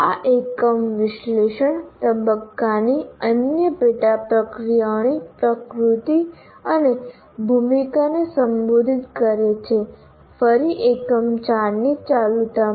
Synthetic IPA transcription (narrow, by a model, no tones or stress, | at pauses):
aʔekəmʋɪʃleʃəɳt̪əbəkːaniənjəpeʈapɾəkɾijanipɾəkɾut̪i | əne | bʱumikanesəmbod̪ʱit̪kəɾet͡ʃʰe | fəɾiʔekəmt͡ʃaɾnit͡ʃalut̪a